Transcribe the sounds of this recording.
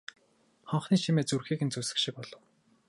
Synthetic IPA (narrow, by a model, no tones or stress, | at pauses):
χɔɴχniːʃimeːt͡surxeːxɘ̆nt͡susɘ̥̆kʃɪ̆k̚pɔɮ̥ɞ̆w